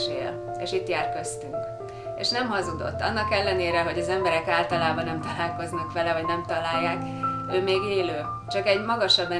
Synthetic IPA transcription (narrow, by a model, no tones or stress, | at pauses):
ʃḛːl | ḛːʃit̪jaːrkø̞st̪yŋk | ḛːʃnɛmɦɒzud̪o̰t̪ːɒ̰nːɒkɛlːɛneːɾɛɦo̞ɟɒzɛmbɛɾɛkaːlt̪ɒlaːbɒnɛmt̪ɒlaːlko̞znɒkʋɛlɛɦoɟnɛmt̪ɒlaːjːaːk | øːmeːɡeːløː | t͡ʃɒkɛɟmɒɡɒʃɒbːɛ